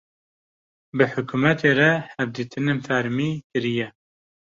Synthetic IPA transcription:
bɨħʊkumɛt̪ʰeɾɛhɛvd̪iːt̪ʰɨnenfæɾmiːkɨɾijɛ

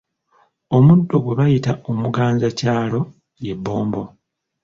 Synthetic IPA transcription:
o̞mudːoɡweβajitaʔomuɡaːɲzacaːlo̞ | je̞bːo̞ːmbo̞

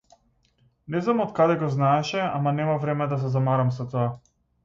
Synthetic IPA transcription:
nɛznamɔt̪kad̪ɛɡɔznaɛʃɛamanɛmavɾɛmɛd̪as̬ɛzamaɾamsat̪ɔa

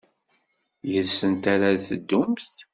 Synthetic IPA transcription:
jəlsənt̪aɾaθəd̪ːuʊmθ

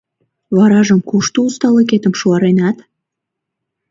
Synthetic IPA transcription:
βɑɾɑʒəmkuʃt̪oust̪ɑleket̪ə̆mʃuɑɾenɑt̪

